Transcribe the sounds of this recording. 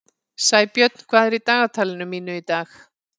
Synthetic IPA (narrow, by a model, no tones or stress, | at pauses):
saːjpjœt̪̚n̥kʰv̥aːðɛɾit̪aːɣat̪ʰaːlɪnʏmːiːnʏit̪aːx